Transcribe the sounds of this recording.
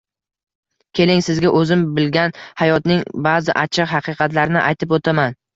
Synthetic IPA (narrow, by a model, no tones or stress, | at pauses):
kʲʰe̞lɪŋsɪzɡʲaʔɵzɪmbɪlɡʲanhajɒt̪nɪŋbazɪ̰ʔat͡ʃʰɪqɦɑqʰɨqʰɑt̪laɾɪnɪʔajt̪ʰɪpot̪ʰaman